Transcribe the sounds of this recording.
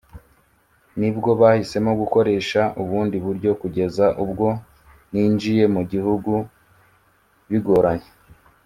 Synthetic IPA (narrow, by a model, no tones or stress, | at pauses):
nibɡo̞βahise̞moɡuko̞ɾe̞ːʃauβuːndiβuɾɟo̞kuɟe̞zaʔubɡo̞ | niːnd͡ʒije̞muɟihuɡu | βiɡo̞ɾaɲe̥